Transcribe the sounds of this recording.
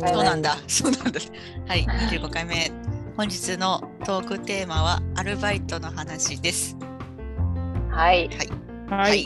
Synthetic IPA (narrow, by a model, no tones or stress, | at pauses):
so̞ːnãnd̪asoːnãnd̪a | haiɲiʑɨːɡo̞kaime̞ | hõ̞ɲ̟d͡ʑit͡sɨno̞t̪o̞ːkɯ̟t̪e̞ːmaβ̞aaɾɯ̟bait̪o̞no̞hanaɕid̪e̞sɨ̥ | haihai | hai